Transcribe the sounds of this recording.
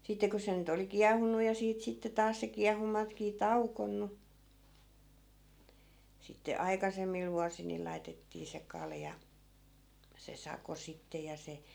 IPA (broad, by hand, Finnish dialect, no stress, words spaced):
sitːe ko se nyt oli kiɑhˑunːu jɑ siːt sitːe tɑːs se kiɑhunːɑtkiː tɑukonːu sitːe ɑikɑsemːil ʋuɑsil ni lɑitetːiː se kɑljɑ se sɑko sitːe jɑ se